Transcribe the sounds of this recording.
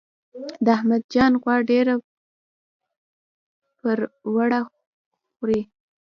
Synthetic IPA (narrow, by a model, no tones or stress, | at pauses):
d̪əahmad̪̚d͡ʒɑnɣwɑɖeɾa | pəɾwaɽa | xɾi